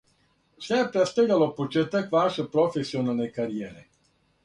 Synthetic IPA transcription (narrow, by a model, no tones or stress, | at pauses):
sɛjɛpɾɛst̪elʲjalopot͡ʃeːt̪akʋaʃɛpɾofesionalnɛkaɾijɛːɾɛ